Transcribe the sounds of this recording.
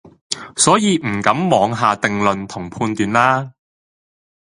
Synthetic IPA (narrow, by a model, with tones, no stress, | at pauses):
sɔː˨˥jiː˨˧m̩˨˩kɐ˨˥mmɔː˨˧ŋɦaː˨˧t̪ɪ˨ŋlɵ˨nt̪ʰʊ˨˩ŋpʰuː˧nt̪yː˨nlaː˥